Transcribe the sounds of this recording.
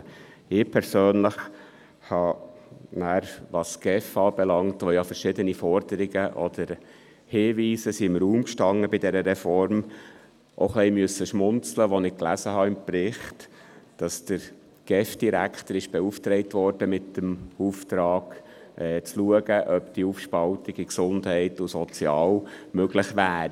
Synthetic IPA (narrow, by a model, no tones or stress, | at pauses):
ɪpʰɛɾsøːnləχ | hɑ | næːɾʋɑsɡ̥ɛfɑːb̥ɛlɑŋtʋojɑfəɾʃɪdənifɔɾdəɾɪɡəʔɔ̰d̥əɾ | hɪʋiːsəsiɪmɾuːmkʃtɑŋːəbidɛɾəɾɛfɔɾm | ʔo̰χlɛːmʏəsəʃmʊnt͡sləʋɔnɪkklæ̰səhɑɪmprɪχtd̥ɑsd̥̪əɾ | ɡ̥ɛfd̥iɾæ̰kχt̪əɾɪʃb̥ɛuft̪ɾɛɪtʋɔɾd̥əmɪtːəmuftɾɑːɡ̥ | ʔɛːt͡sluəɡəʔœpd̪̥iufʃpɑltɪɡiksʊnd̪hɛɪtʊsɔt͡sjɑːlmøɡlɪχʋæːɾ